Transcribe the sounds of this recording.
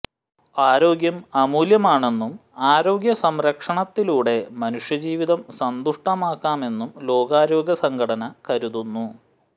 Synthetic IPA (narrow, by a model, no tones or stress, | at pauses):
aːɾo̞ːɡjɐmɐmuːljɐmaːɳe̞nːumaːɾo̞ːɡjɐsɐmɾɐkʂɐɳɐt̪ːiluːɽe̞mɐnuʂjɐd͡ʑiːʋiðɐmsɐnd̪uʂʈɐmaːkːaːme̞nːumlo̞ːɡaːɾo̞ːɡjɐsɐŋɡʰɐɽɐnɐkɐɾuðunːu